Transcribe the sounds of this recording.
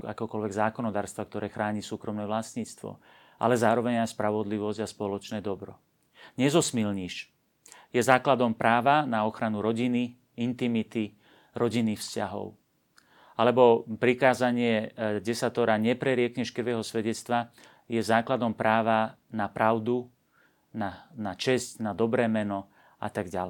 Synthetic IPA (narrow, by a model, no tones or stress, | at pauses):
ka̰kɛɔkɔlʋɛɡzaːkɔnɔd̪aːɾst̪ʋakt̪ɔɾɛːxɾaːɲisuːkɾɔmnɛːʋlasɲiːt͡st̪ʋɔ̰ | ʔa̰lɛzaːɾɔʋɛɲajspɾaʋɔd̪liʋɔzɟaspɔlɔt͡ʃnɛːd̪ɔbɾɔ̰ | ɲɛzɔsmilɲiʃ | jɛzaːklad̪ɔmpɾaːʋanaɔxɾanuɾɔɟini | int̪imit̪i | ɾɔɟinifscaɦɔ̰ʊ | alɛbɔpɾikaːzaɲɪɛɟɛsat̪ɔɾaɲɛpɾɛɾɪɛkɲɛʃkrʋɛːɦɔsʋɛɟɛt͡st̪ʋa | jɛzaːklad̪ɔmpɾaːʋa | napɾaʊd̪u | nanat͡ʃɛscnad̪ɔbɾɛːmɛnɔ | a̰t̪aɡɟalɛ